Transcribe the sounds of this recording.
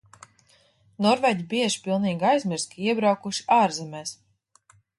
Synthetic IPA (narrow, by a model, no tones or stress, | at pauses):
nɔɾvɛd̪ʲibiɛʒpʲilˠniːɡajzmʲiɾskʰaiɛbɾawkuʃi̥aːɾzɛmɛːs